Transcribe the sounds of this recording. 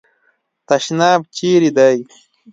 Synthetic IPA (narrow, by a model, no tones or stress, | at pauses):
t̪ɐʃnaːb̚t͡ʃiːɾid̪aj